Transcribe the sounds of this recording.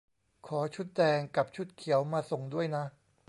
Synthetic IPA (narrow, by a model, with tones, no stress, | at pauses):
kʰɔː˩˦t͡ɕʰu˦˥t̪̚dɛː˧ŋka˨˩p̚t͡ɕʰu˦˥t̪̚kʰi˨˩˦əwmaː˧so˨˩ŋdu˥˩əjna˦˥ʔ